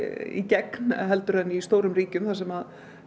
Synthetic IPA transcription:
ḭcɛkn̥ɦɛl̪t̪ʏɾ̥ɛnːist̪oːwɾʏmriːcʏmθasɛmað

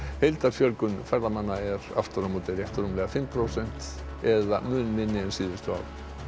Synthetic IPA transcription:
hejlt̪aɾ̥fjœlkʏnfajɾðamanːaɛɾa̰ft̪aɾamuːt̪ɪɾjɛht̪ɾumlɛɣafɪmpʰɾowsɛn̥t̪ | ɛðamʏːnmɪnːɪɛnsiːðɪst̪ʏa̰wl

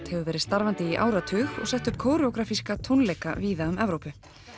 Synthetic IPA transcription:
t̪hɛvʏvɛːɾɪðst̪aɾvant̪ɪiʔa̰ːwɾat̪ʰʏːxɔ̰ɣsɛht̪ʏhpkʰoːwɾɪɔkɾaːfiskat̪ʰownlejka̰viːðaʏmɛvɾoːwpʏ

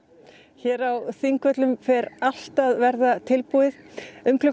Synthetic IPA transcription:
çɛːɾawθiŋkvœt̪lʏmfɛɾal̥t̪aðvɛɾðat̪ʰɪlpuɪðʏmkʰlʏ

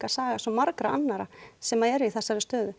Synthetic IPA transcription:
asaːɣasɔmaɾkɾaanːaɾasɛmaðɛɾiθɛsːaɾɪst̪œːðʏ

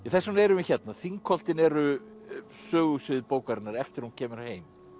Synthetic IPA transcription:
iθɛsːunɛɾʏmɪçɛt̪naθiŋkʰɔl̥t̪ɪnɛɾʏ | sœːɣʏsɪðpoːwkaɾɪnːaɾɛft̪ɪɾ̥huncʰɛːmʏɾheːjm

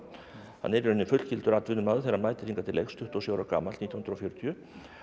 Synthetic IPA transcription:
ha̰nːɛɾɾʏnːɪfʏt̪cʰɪlt̪ʏɾat̪vʏnʏmaðθeɾamaːjt̪ɪ̥ɾ̥iŋkat̪ʰɪlːḛjxst̪ʰʏht̪ɔsowɾaka̰ːmalit̪ʰjhnɾɔfjœɾʏt̪ʰjʏ

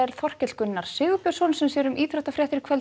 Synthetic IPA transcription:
ɛɾ̥θɔr̥cɛt̪kʏnːaɾ̥sɪːɣʏpjœ̥sɔnsɛmsɛɾʏmʔiːt̪ɾɛht̪afɾjat̪ɪɾɪkʰvɛl

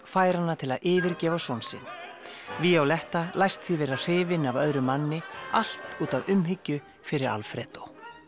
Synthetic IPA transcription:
faːjɾanːat̪ʰɪlaðɪːvɪɾcɛːvasɔwnsɪ̰n | viawlɛht̪alajst̪θivɛːɾar̥ɪːvɪnavœðɾʏmanːɪal̥t̪uːt̪avʏmɦɪcːʏ | fɪɾɪɾa̰lfɾɛ̰ːt̪ow

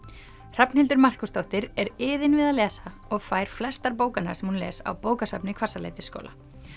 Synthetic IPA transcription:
r̥apnhɪlt̪ʏɾmar̥kʏst̪owht̪ɪɾɛɾɪːðɪnvɪðaðlɛːsa | ɔɣfaːjɾ̥flɛst̪aɾpoːwkanːa̰ɾ̥sɛmhunlɛ̰ːsa̰wpoːwkasapnɪkʰv̥ar̥salḛːjt̪ɪ̥sko̰ːwla̰

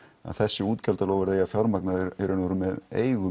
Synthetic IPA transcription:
a̰ðθɛsːɪuːt̪calt̪alowɣvɛɾðejafjawɾmaknaðɪɛɾʏnɔɾʏmɛðeːjɣʏ

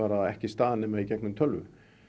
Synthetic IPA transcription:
aːɾaɛhcɪst̪aːðɪnɛːmaðicɛknʏmt̪ʰœlvʏ̰

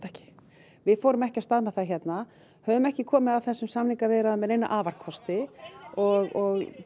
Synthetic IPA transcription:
ɛhcɪ̥ | vɪfoːɾʏmɛhcɪast̪aðmɛθaçɛt̪na | hœːvʏmɛhcɪkʰɔːmɪðawθɛsːʏmsamniŋkavɛːɾaðamɛðejnːa̰ʔaːvar̥kʰɔst̪ɪɔɣɔɣ

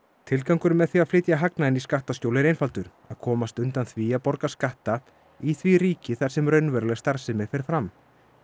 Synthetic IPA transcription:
t̪ʰɪlkawŋkʏɾmɛðθiaðflɪːt̪jaɦaknaɪniskaht̪ascowlɪɾejnfalt̪ʏɾ̥ | aðkʰɔːmast̪ʏnt̪anθviaðpɔɾkaskaht̪a | iθviɾiːcɪθaɾsɛmrœɥnvɛɾʏlɛɣst̪aɾ̥sɪmɪfɛɾfɾam

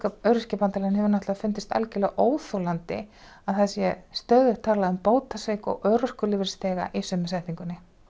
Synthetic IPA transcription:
kaœɥɾʏscɛpant̪alanhɛvɪɾnɔht̪laaðfʏnt̪ɪst̪a̰lcɪlɛːɣaʔoːwθolant̪ɪ̰ | aðθasjɛst̪œːðʏ̥t̪ʰaːlaðʏmpoːwt̪asejkɔ̰ɣœːɾʏr̥kʏlɪːvɪɾ̥st̪ɛːɣa̰ʔisʏmːɪsɛht̪iŋkʏnːɪ

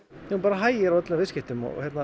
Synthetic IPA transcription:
upaːɾaɦaːjɪɾawœt̪lɛavɪscɪht̪ʏmɔ̰çjɛɾt̪na

